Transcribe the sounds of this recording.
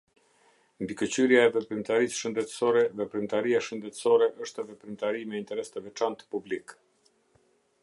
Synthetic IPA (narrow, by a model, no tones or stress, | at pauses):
nd̪ikət͡ɕyɾjaɛvɛpɾimt̪aɾisʃənd̪ɛt̪əsɔɾɛðɛpɾimt̪aɾiaʃənd̪ɛt̪ə̥sɔɾɛʔəʃt̪ɛvɛpɾimt̪aɾimɛint̪ɛɾɛst̪əvɛt͡ʃant̪publik